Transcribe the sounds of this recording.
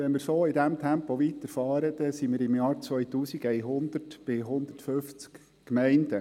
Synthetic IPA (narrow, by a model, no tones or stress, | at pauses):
ʋɛnmɪɾsoːɪdæmt̪ʰæmpɔʋit̪əɾfɑːɾəd̪ɛsimɪɾɪmjɑːɾt͡sʋœʏtuːsiɡɛjɦʊnd̪̥ərtb̥ɪɦʊnd̪̥ərtføft͡sk | kmɛɪndə